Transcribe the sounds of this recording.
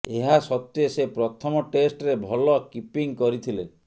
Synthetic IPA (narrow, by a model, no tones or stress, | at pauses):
eɦasɔt̪esepɾɔt̪ʰɔmɔʈesʈɾebʱɔlɔkipiŋkɔɾit̪ʰile